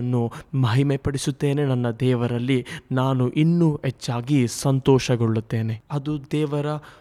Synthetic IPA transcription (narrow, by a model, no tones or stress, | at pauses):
nːumɐɦimepɐɽisut̪ːe̞ːne̞nɐnːɐd̪ɛːʋɐɾɐlːinaːnuʔinːuːet͡ʃːaːɡisɐnt̪ɔːʃɐɡoɭːut̪ːe̞ːne̞ɐd̪ud̪ɛːʋɐɾɐ